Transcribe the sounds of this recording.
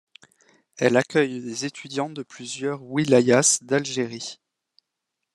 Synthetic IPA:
ɛlakʲœjlezet̪ʰyd̪jɑ̃d̪əplyzjœʁwilajasd̪alʒeʁi

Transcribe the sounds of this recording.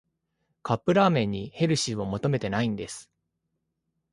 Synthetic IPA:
kapːɯ̟ɾaːmẽ̞ɲ̟ːihe̞ɾɯ̟ɕio̞mo̞t̪o̞me̞t̪e̞naĩnd̪e̞sɨ̥

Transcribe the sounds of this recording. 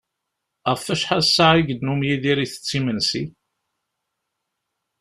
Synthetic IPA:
əffæʃħaðsːaʕiɡəd̪numjiðiɾiθə̥t͡sːimənsi

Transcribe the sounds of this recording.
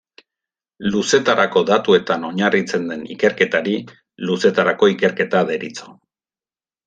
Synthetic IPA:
luse̞t̪aɾʔako̞ðat̪ue̞t̪ano̞ɲarit͡se̞nd̪e̞nḭke̞ɾke̞t̪aɾi | luse̞t̪aɾako̞ike̞ɾke̞t̪aðe̞ɾit͡so̞̥

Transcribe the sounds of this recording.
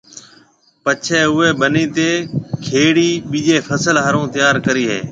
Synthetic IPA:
pət͡ʃʰeːʊːeːɓəniːt̪eːkʰeːɽiːɓiːʄeːpʰəsəlɦaːɾõːt̪ɪjaːɾkəɾiːɦḛː

